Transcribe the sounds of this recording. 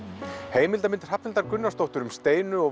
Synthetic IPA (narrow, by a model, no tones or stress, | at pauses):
heːjmɪlt̪amɪnt̪r̥hapnɪlt̪aɾkʏnːast̪owht̪ʏɾʏmst̪eːjnʏɔɣ